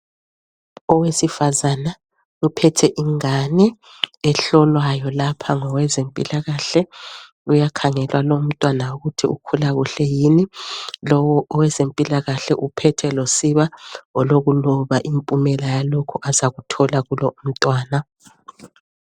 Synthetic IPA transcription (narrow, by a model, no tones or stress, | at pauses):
ɔwesifazana | upʰɛtʰɛʔiŋanɛː | ɬɔlwajɔlapʰaŋɔwɛzempʼḭlaɣaɬɛ | ujakʰaŋɛlwalom̩tʼwanauɣutʰiṵkʰulaɣuɬɛjinilɔwɔʔɔwɛzempʼilaɣaɬɛʔupʰɛtʰɛlosiβaɔloɣulɔβaʔimpʼumɛlajalokʰuʔazaɣutʰɔlaɣulɔʔum̩tʼwaːna